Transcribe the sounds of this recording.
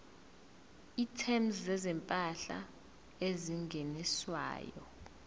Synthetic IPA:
itʰɛmzzɛzɛmpʼaɬa̰ | eziŋɡʱeniswa̰ːjɔ̰

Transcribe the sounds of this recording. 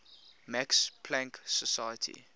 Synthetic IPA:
mækspʰlæ̃ŋksəsajətʰḭ

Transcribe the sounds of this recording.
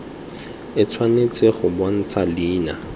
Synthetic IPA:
ɪt͡sʰwanet͡sʼɪχʊbwan̩t͡sʰaliːna

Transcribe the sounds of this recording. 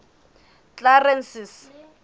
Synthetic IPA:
t͡ɬarɛnsis

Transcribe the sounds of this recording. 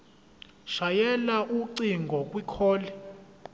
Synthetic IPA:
ʃajɛlaʔuǀiŋɡʱɔkʼwikʰɔːlɛ

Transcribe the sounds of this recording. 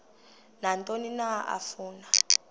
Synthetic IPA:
nantʼoninaʔa̰fuːna

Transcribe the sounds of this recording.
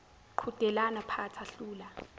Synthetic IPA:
ǃʰud̥ʱɛlanapʰatʰaɬuːla

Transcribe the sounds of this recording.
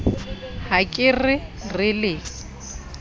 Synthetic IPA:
hakʼɪrɪrɪlɪ

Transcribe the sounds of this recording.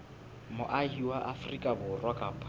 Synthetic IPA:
mʊʔaɦiwaʔafrikʼabʊrwakʼapʰa

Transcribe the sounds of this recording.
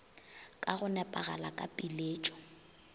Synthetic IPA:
kʼaɣʊnɛpʼaɣa̰lakʼapʼileːt͡ʃʼɔ̥

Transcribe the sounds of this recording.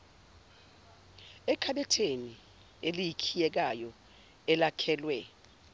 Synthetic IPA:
ɛkʰaɓɛtʰeni | elijikʰijɛk̬ajɔ | ɛlakʰɛːlwɛ

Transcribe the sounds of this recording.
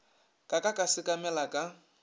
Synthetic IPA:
kʼakʼakʼasɪkʼamɛlakʼa

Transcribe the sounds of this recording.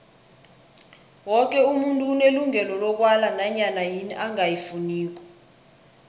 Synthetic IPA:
wɔk̬ʼɛumuntʼuːneluŋɛlɔlɔk̬walanaɲanajiniʔaŋajifuniːk̬ɔ̥

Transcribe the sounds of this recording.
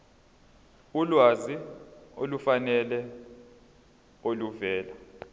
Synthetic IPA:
ulwaziolufanɛlɛ | oluvɛːla

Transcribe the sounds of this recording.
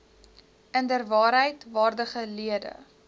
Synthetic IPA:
əndərvɑːɾɦəjtvɑːrdəχəliədə̰

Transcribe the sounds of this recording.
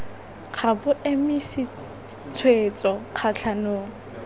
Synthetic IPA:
q͡χʰabʊʔemɪsɪ | t͡sʰwet͡sʼɔq͡χʰat͡ɬʰanʊːlɔ

